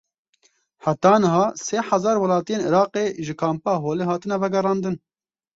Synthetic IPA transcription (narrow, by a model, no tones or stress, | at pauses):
ħat̪ɑːnɨɦɑːseːħazɑːɾwɐlɑːt̪ijeːniɾɑːqeːʒɨkʰɑːmpɑːɦoːleːɦɑːt̪ɨnɛvɛɡɛrɑːnd̪ɨn